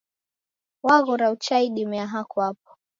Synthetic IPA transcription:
waɣɔɾaut͡ʃaiɗimɛaɦakuap̚ɔ̥

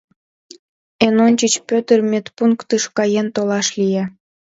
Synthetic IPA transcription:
enonʲt͡ɕət͡ɕpʲøt̪ərmʲet̪puŋkt̪ɨʃkɑjent̪olɑʃlije

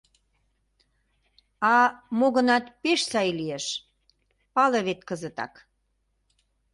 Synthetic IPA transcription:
ɑmoɣə̆nɑt̪peʃsɑjlieʃ | pɑleβet̪kəzə̆t̪ɑ̰k

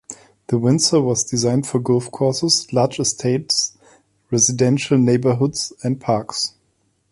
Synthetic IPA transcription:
ðəwɪ̃nsəwɔzdɪzãɪ̃nd̥fɔɡʊlfkʰɔɹsəzlaːd͡ʒɨstʰeɪts | ɹɛzɪdɛ̃nʃəl̩ˠneɪbə˞ɦʊdz̥æ̃nd̚pʰaɹks

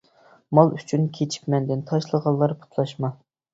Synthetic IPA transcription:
mɑlˠyt͡ʃʰynkʲʰet͡ʃʰi̥kʲmɛnd̪ɪnt̪ʰɑʃlˠəʁɑlˠːɑɾpʰu̥t̪ʰlˠɑʃmɑ

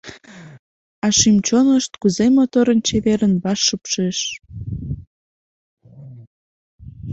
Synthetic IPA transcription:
ɑʃimt͡ɕonəʃt̪kuzemot̪oɾənt͡ɕeβeɾənβɑʃːəpʃeʃ

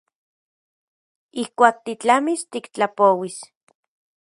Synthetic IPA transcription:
ihkʷaːk̚t̪it͡ɬamist̪ikt͡ɬapowis

